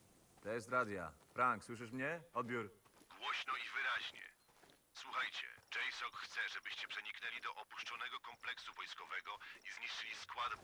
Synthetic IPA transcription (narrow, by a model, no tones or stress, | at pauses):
t̪ɔjɛst̪ɾad̪ʲja̰fɾaŋkswɘʂ̬ɘʂmɲɛɔd̪bʲjuɾɡwɔɕnɔivɘɾaʑɲɛ̰ | swuxajt͡ɕɛ̰d͡ʐɛjsɔkxt̪sɛʐɛbɘɕt͡ɕɛpʂɛɲiknɛlʲid̪ɔʔɔpuʂt͡ʂɔnɛɡɔkɔmplɛksuvɔjskɔvɛɡɔizɲiʂt͡ʂɘlʲiskwad̪